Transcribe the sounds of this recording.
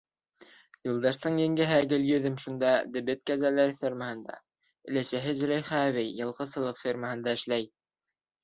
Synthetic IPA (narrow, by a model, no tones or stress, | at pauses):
jɤ̆lˠd̪ɑʃt̪ɤɴjɘ̆ŋɡæɦæɡɘljɵ̆ðɘmʃund̪ɑd̪ɘ̆bɘt̪̚kæzælæɾfʲirməhɤ̆nd̪ɑ̰ | ɘ̆læʃæɦɘʒɘ̆ɾæjχæβɘjːɤ̆lˠʁɤsɤ̆lˠɤqfʲerməɦɤ̆nd̪ɑɘ̆ʃlæj